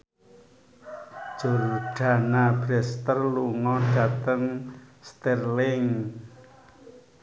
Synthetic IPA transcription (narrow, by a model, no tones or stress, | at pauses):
d̥ʒ̥o̤rɖ̥a̤nab̥ɾɛst̪ərluŋɔɖ̥ä̤t̪əŋst̪ɛrlɪŋ